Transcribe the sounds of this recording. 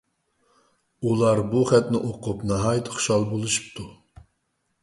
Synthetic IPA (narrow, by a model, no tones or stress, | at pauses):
ulˠɑɾbuχɛt̪nɪʔoqʰʊpnɑɦɑːjt̪ʰχʊ̥ʃɑlˠbolˠuʃu̥p̚t̪ʰu